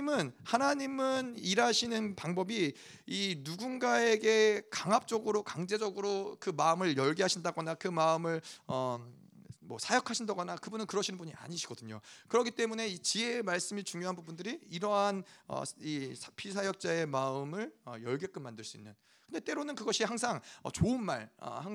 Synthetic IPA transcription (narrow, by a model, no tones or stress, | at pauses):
mɯnhanaɲimɯniɾaɕʰinɯnpaŋbʌbiinuɡunɡae̞ɡe̞kaŋɦap̚t͡ɕ͈ʌɡɯɾokaŋd͡ʑe̞d͡ʑʌɡɯɾokɯmaɯmɯɭjʌɭɡiɦaɕʰindaɡʌnakɯmaɯmɯɭʌ | mwʌsʰajʌkʰaɕʰindaɡʌnakɯbunɯnkɯɾʌɕʰinɯnbuɲia̰ɲiɕʰiɡ̥ʌdɯɲo̰kɯɾʌkʰit͈e̞mune̞it͡ɕie̞maɭs͈ɯmit͡ɕuŋjoɦanbubundɯɾiiɾʌɦanʌ̰isʰapʰisʰajʌk̚t͡ɕ͈ae̞maɯmɯɭʌjʌɭɡek͈ɯnmandɯɭs͈uinːɯn | kɯndet͈e̞ɾonɯnkɯɡʌɕʰihaŋs̬ʰaŋʌt͡ɕoɯnma̰ɭʌ̰ha